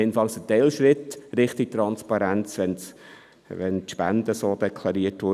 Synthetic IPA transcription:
enfɑŋsət̪ɛlʃɾɪt̪ɾɪχt̪ik̚t̪ɾɑnspɑɾænt͡sʋɛn | ʋɛnt̪ʃpæ̰nd̥̪əsoːd̥̪ɛkʰlɑɾiətʋʊ

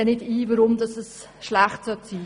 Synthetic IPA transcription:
ɛnɪdiːvəɾʊmdɑsəs | ʃlæχtsœtsiː

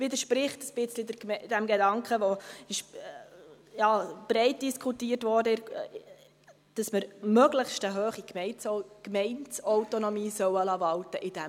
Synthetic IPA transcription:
ʋɪdəɾʃpɾɪχtəsb̥ɪt͡slidəd̥ɛmɡɛdɑŋkχəʋɔɪʃ | jɑːb̥ɾɛɪt̚d̥iskʰutiːrtʋɔːɾdəɪ | d̥ɑsməɾmœɡləχʃtəɦøːχikmɛɪnkmɛɪntsɔʊtonɔmiːsœwəlɑʋɑltəʔɪd̥ɛ

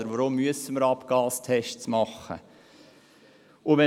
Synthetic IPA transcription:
əɾʋɔɾomːyəsəməɾɑpɡ̥ɑːlst̪ʰɛʃtsmɑχːə̰ | ʊʋɛ

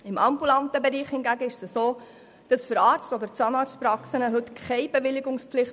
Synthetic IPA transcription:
ɪmɑmbulɑnt̪əbɛɾiːχhɪnɡæɡəɪʃsəsoː | d̥ɑsfʏɾɑːɾt͡stɔd̪ət͡sɑnɑːɾt͡spɾɑksənəɦɵtkʰχɛɪb̥ɛʋɪlɪɡʊŋsplɪχt

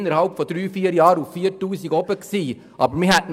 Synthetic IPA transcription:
nːəɾhɑlpfɔd̥̪ɾyːfiːəɾjɑːɾuffiːəɾtuːsiɡɔbəksiː | ʔɑːbəɾmihɛtn

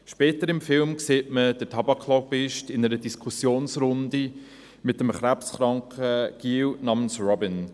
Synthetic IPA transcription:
ʃpɛːtəɾɪmfɪlmkseːtməd̥ətʰɑbɑkʰːlɔpɪʃtɪnəɾədiskʰusjoːnsɾʊndi | mɪtəmχɾæpsχɾɑŋkəɡ̥iːwnɑːmənsrɔbɪn

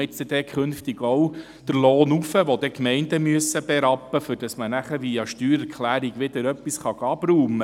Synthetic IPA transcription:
ɪtsəd̥̪ɛkʰχɵnft̪iɡ̥ɔw | d̥əɾloːnufəʋod̪ɛkmɛɪndəmyəsəb̥ɛɾɑpːəfʏɾd̥ɑsmənæχəʋiɑʃtyːɾɛɾkχlæːɾiɡ̥ʋɪd̪əɾœpːisχɑɡɑb̥ɾuːmə

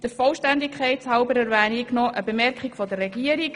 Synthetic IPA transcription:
d̥əɾfɔlʃtænd̪ikʰχɛɪtshɑʊbəɾɛɾʋæːniknɔʔəbemɛɾkχiɡ̥fɔd̪ərːɛɡiəɾik

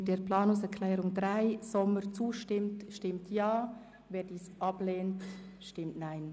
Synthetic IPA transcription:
deːɾplɑːnʊŋsɛɾkʰlɛːɾʊŋdɾaɪsɔməɾt͡suːʃtɪmtʃtɪmtjɑː | vɛːdiːsɑbleːntʃtɪmtnaɪn

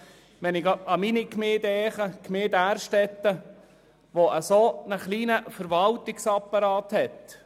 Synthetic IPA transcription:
ʋɛnɪɡɑminikmeːd̪ɛːχəkʰmeːd̪æːɾʃtɛt̪ːə | ʋoʔəsonəχliːnəfəɾʋɑltɪksɑpːɑɾɑːt̪hɛt̪

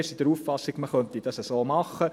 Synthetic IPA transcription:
sid̥əɾuffɑsːiɡ̥məχœnt̪id̥ɑsəsoːmɑχːə

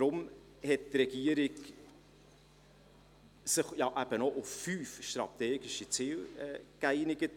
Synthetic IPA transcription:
ɾʊm | hɛt̚tɾɛɡ̥iəɾɪɡ | sɪχjɑʔæb̥ənɔʔʊffyːfʃtɾɑ̰t̪eːɡɪʃit͡siːlɛːkæɪnɪɡət

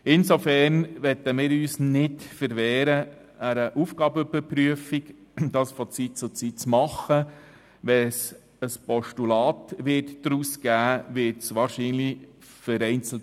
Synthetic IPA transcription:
ɪnsofɛːɾnʋɛt̪ːəmɪːɾyːsnɪtfəɾʋɛːɾə | æɾəʔuːfɡ̥ɑːbəybəɾpɾyəfik | d̥ɑːsfɔt͡sit̚t͡sʊt͡sit̚t͡smɑχə | ʋɛs | əspɔʃtulɑːt̪ʋɪtd̥ɾuːskæːʋɪtsʋɑːɾʃiːnli | fəɾɛɪnt͡sl̩t

